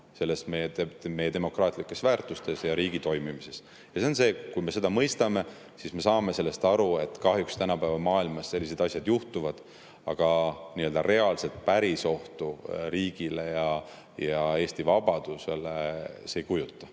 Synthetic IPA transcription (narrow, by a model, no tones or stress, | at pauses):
se̞lːe̞smejeeme̞jːe̞e̞mo̞krɑːt̪ˑlikːˑe̞svæːrt̪ˑust̪e̞sjɑɾiːɡ̥it̪o̞jmimise̞s | jɑse̞onse̞ːkujme̞se̞d̪̥ɑmɤjst̪ɑme̞ | sisme̞sɑːme̞se̞lːe̞st̪ɑɾue̞t̪ːˑkɑhjukst̪ænɑpævɑmɑːilmɑsse̞lʲːise̞d̪ɑsʲjɑd̪̥juht̪uvɑd̪̥ | ɑɡ̥ɑniøld̪ɑre̞ɑlse̞lt̪̚pæɾiso̞ht̪uriːɡ̥ile̞jɑ | jɑe̞ːsʲt̪ivɑb̥ɑd̪̥use̞leseejkujut̪ˑːɑ